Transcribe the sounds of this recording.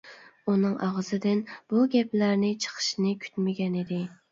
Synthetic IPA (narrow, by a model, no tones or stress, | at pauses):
unɨŋʔɑʁəzɨd̪ɪnb̥uɡʲɛplæɾnɪt͡ʃʰə̥qʰə̥ʃnɪkʲʰy̥t̪mɪɡʲɛnɪd̪ɪ